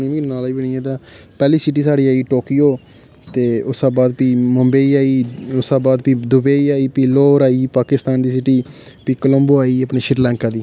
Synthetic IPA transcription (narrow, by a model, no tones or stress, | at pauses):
nẽːʋiːnaːliːbəɳĩːãːt̪̬ãː | pɛːliːsɪʈ̬iːsaːɽiːaːiːʈoːkiːoː | t̪eːʊsãːbaːd̪piːməmbeːiːaːiːʊsãːbaːd̪pĩːd̪ʊbeːiːaːiːpiːloːɾaːiːpaːkɪst̪aːnd̪iːsɪʈiː | piːkələ̃mboːaːiːəpɳeːʃɪɾlɛ̃ːŋkaːd̪iː